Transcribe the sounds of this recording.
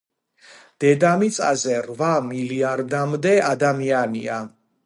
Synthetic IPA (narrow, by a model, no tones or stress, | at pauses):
d̪̥ɛd̪amit̪sʼa̰zɛɾvamiliaɾd̪amd̪ɛad̪amianḭa